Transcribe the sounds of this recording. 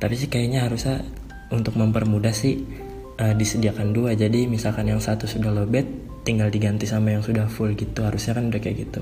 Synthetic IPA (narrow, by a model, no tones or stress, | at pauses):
t̪apis̬ɪhkajaɲaɦaɾusa | unt̪ʊk̚məmpərmudahsɪh | ədisədiakanduad͡ʒadimisalkanjaŋsat̪usudahlobɛt̪ː | iŋɡaldiɡant̪isamajaŋsudahfʊlɡit̪uɦaɾusɲakanbdakajɡit̪u